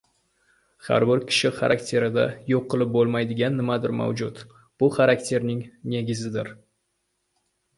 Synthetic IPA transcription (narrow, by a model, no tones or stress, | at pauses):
ha̰ɾbɪɾkʲʰɪ̥ʃɪχa̰ɾʔakt̪ʰe̞ɾɪd̪ajoqːɨlˠɪp̚bolˠmajd̪ɪɡʲanːɪmad̪ɪɾma̰wd͡ʒʊt̪ | b̥ʊχaɾakt̪ʰe̞ɾnɪŋne̞ɡʲɪzɪd̪ɪɾ